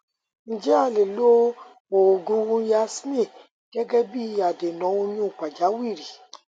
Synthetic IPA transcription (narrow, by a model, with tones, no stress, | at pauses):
n̩˦d͡ʒɛ˦a˧˨le˨lo˦ | wo˨o˨ɡũ˦wũ˦ja˦sẽ˦˨ | ɡ̥ɛ˦ɡɛ˦bi˦˧˦a˨de˨nɔ̃˨˦o˧nĩ˦u˨k͡pa˨d͡ʒa˨˦wi˦˨ɾi˨